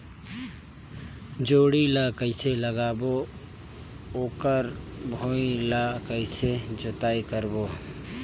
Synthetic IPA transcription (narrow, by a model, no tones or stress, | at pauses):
d͡ʒoːɽilakəɪsʰeləɡaːbo | oːkəɾbʱoilakəɪsʰed͡ʒʊt̪aːikəɾboː